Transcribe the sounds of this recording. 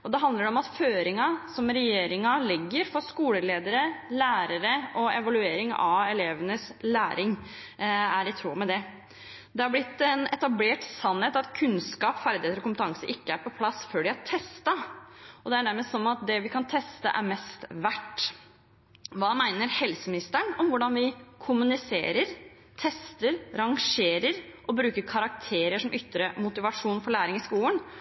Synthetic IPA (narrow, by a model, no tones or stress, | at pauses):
ɔd̪ɛɦɑnd̪ləɖɛɔmɑt̪føːɾɪŋɑsɔmɾɛjeːɾɪŋɑlɪɡːəɾfɔɾskuːləleːd̪əɾəlæːɾəɾəɔɛʋɑlʉeːɾɪŋɑ̰ɛleːʋənəslæːɾʔɪŋ | æɾɪt̪ʰɾuːmɛd̪ɛ | d̪ɛhɑɾblɪt̪ːɛnɛt̪ɑbleːʈsɑnheːt̪ɑt̪kʰʉnskɑːpfæɾd̪ɪheːt̪ɾɔkʊmpət̪ʰɑŋsəʔɪkːəæɾpɔpʰlɑsføːɖɪhɑʈʰɛst̪ɑɔd̪ɛæɖæɾməst̪sɔnːɑt̪̚d̪ɛʋɪkʰɑnt̪ʰɛst̪ə̰ʔæ̰ɾmɛst̪ʋæʈː | ʋɑːmæɪnəɾhɛlsəmɪnɪst̪əɳɔmʋʊɖɑnʋɪkʰʊmʉnɪsḛːɾəɾ | t̪ʰɛst̪əɾɾɑŋʂeːɾəɾʔɔbɾʉːkəɾkʰɑɾɑk̚t̪ʰeːɾəʂɔmʔʏt̪ːɾəmʊt̪ɪʋɑʂuːnfɔɭæːɾɪŋɪskuːlən